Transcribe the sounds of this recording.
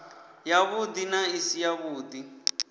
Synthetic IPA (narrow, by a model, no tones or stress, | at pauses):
jaβud̪inaisijaβuːd̪i